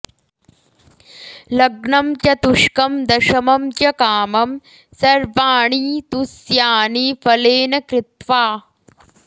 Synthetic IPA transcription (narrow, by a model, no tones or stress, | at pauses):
lɐɡɳɐmt͡ʃɐt̪uʂkɐmd̪ɐʃɐmɐmt͡ʃjɐkaːmɐm | sɐɾʋaːɳiːt̪usjaːnifɐleːnɐkɾɪt̪ʋaː